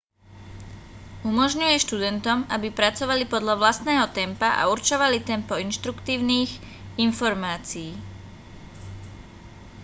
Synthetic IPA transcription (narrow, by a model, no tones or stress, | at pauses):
umɔʒɲujɛʃt̪ud̪ɛnt̪ɔmabipɾat͡sɔʋalipɔd̪lʎaʋlast̪nɛːɦɔt̪ɛmpaʔa̰uɾt͡ʃɔʋalit̪ɛmpɔinʃt̪ɾukt̪iːʊniːx | infɔɾmaːt͡siː